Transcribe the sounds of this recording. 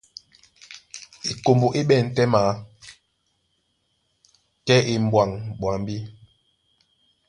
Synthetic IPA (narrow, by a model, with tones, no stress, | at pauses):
i˨ko˨mbo˨ʔi˦ɓɛ˦˨n̩˨tɛ˦ma˨˦ | kɛ˦ʔi˨m˨bwa˨ŋɓwa˨ŋbi˦